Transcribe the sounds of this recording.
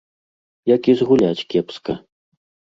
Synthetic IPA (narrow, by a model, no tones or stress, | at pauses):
jakʲizɣulʲat͡sʲkʲɛpskɐ